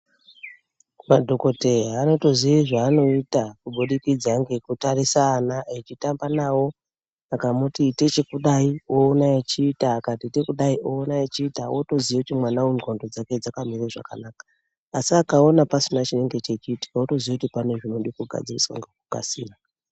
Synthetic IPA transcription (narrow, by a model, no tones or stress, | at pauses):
madʱo̞ko̞te̞ano̞to̞ziiʐaːno̞itakuɓuɗikid͡zaŋɡe̞kutaɾisaːnaet͡ʃitambanawo̞ | akamutite̞t͡ʃe̞kuɗaio̞ːnaet͡ʃiːtaːkatite̞kuɗaiʔoːnaet͡ʃiːtawoto̞ziekutimwanaunondo̞d͡zake̞d͡zakamiriaʐa̰kanaːkḁː | siakao̞napasinat͡ʃine̞ŋɡe̞t͡ʃet͡ʃiːti̥kaoto̞ziakutipane̞ʐinoɗikuɡʱa̰d͡ziriswa̰ŋɡekuka̰sḭːra